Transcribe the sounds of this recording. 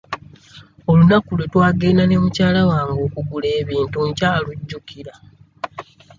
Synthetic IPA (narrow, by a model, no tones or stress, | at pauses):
o̞lunakulwe̞twaːɡeinane̞mucaːlawaːŋɡo̞ːkuɡule̞ːβiːntuɲcaːluɟːukiɾa